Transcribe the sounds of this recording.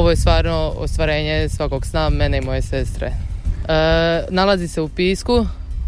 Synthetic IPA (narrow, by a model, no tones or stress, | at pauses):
oʋo̞jest̪ʋaːɾnoo̰st̪ʋaɾe̞ːɲe̞sʋako̞ɡsnameneimo̞je̞sest̪ɾḛ | nalazise̞upiːsku